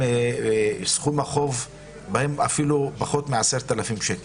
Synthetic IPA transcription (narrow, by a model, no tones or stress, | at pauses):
sχumaχov | bahemafilupaχo̞t̪meʕaseʁt̪alafimʃeke